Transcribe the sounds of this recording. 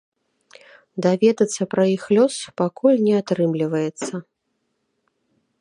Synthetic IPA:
d̪avʲɛd̪ɐt̪sːɐpɾɐixlʲɔspakulʲnʲɛat̪ɾɨmlʲivɐjɛt̪sːɐ

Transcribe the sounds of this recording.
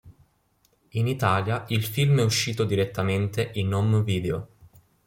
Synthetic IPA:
init̪aːljailfilmɛuʃːiːt̪od̪iɾet̪ːament̪eʔinːɔmviːd̪eo

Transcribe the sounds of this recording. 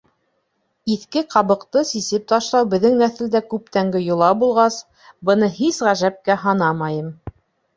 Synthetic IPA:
iθkɘqɑβɤ̆qt̪ɤsisɘp̚t̪ɑʃlˠɑwbɘ̆ðːɘŋnæθɘ̆ld̪ækʉp̚t̪æŋɡɘjŏlˠɑbulˠʁɑs | bɤ̆nɤhisʁæʒæp̚kæɦɑnɑmɑjɤm

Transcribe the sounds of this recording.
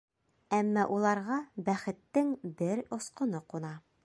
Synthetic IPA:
æmːɑʔulˠɑɾʁɑbæχɘ̆t̪ːɘŋbɘɾŏsqŏnɤqunɑ

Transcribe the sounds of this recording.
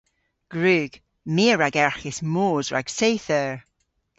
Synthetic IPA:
ɡ̥ɹʉːɡ̥ | miːəɹaɡɛɹxɪsmoːzɹa̰ɡ̥sejθəɹ

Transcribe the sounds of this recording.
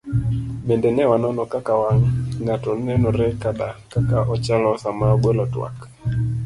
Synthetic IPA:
mendenɛwanɔnɔkakawaŋːatɔnɛnɔɾɛkaɗakakaʔɔt͡ʃalɔsamaɔɡwelɔtwa̰k

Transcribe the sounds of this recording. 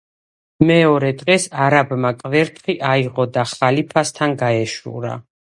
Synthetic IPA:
mɛɔɾɛd̪ʁɛsaɾabmakʼvɛɾt̪ʰχiʔaiʁɔd̪aχalipʰast̪ʰanɡaɛʃṵɾa̰

